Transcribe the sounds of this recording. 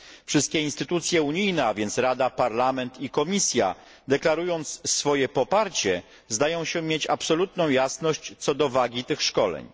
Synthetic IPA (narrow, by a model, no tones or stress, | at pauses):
fʂɘst̪̚kʲɛinst̪ɘt̪ut̪sʲjɛuɲijnɛavʲjɛnt̪sɾad̪apaɾlamɛnt̪ikɔmʲisʲja̰ | d̪ɛklaɾujɔnt̪ssfɔjɛpɔpaɾt͡ɕɛ | zd̪ajɔ̃w̃ɕɛmʲjet͡ɕa̰psɔlut̪nɔ̃w̃jasnɔɕt͡ɕt̪sɔd̪ɔvaɡʲit̪ɘxʂkɔlɛ̰ɲ